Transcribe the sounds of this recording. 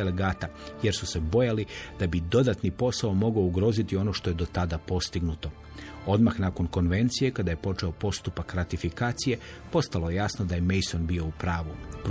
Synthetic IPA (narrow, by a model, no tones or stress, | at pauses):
eleɡaːt̪aje̞ɾsuse̞bo̞jalid̪̥abid̪o̞d̪at̪nipo̞saomo̞ɡouɡɾo̞zit̪io̞no̞ʃt̪o̞je̞d̪o̞t̪ad̪apo̞st̪iɡnut̪o̞ | o̞d̪maxnako̞nko̞nʋe̞nt̪sije̞kad̪aje̞po̞t͡ʃeo̞po̞st̪upakɾat̪ifikaːt̪sije̞ | po̞st̪alo̞jejaːsnod̪ajemejso̞nbio̞upɾaːʋup